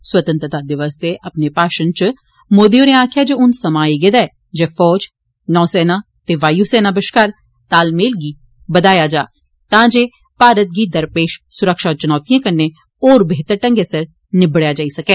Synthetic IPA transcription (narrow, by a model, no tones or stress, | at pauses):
swət̪ənt̪ɾət̪aːd̪ɪʋəsd̪eːʔəpneːpaːʃənt͡ʃ | moːd̪ioːneãːkʰjaːd͡ʒeːʊnsəmaːiɡed̪aɛː | d͡ʒeːfʰɔːd͡ʒ | nɔ̃ːsɛːnaː | t̪eːʋaːjuːsɛːnaːbəʃkaːɾ | t̪aːlmeːlɡiː | bəd̪aːjaːd͡ʒaː | t̪ãːd͡ʒeː | paːɾət̪̚ɡiːd̪əɾpeːʃsʊɾəkʃaːt͡ʃənɔːt̪ijãːkənːeː | ɔːɾbeːt̪əɾʈə̃ŋɡesəɾ | nɪbɽjaːd͡ʒaːisəkeː